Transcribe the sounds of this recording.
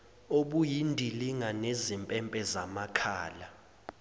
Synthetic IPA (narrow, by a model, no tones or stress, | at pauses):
oɓujindʱiliŋanezimpʼɛmpʼɛzamakʰaːla